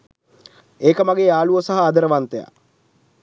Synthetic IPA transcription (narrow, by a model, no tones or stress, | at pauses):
eːkəmaɡeːaːluəsaɦɐːd̪əɾəʋant̪eja̰